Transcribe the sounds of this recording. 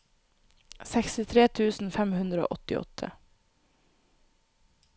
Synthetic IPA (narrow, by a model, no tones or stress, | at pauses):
sɛkst̪ɪt̪ʰɾeːt̪ʰʉːsn̩fɛmhʉnd̪ɾəo̰ːʔɔt̪ɪɔ̰t̪ʰə̰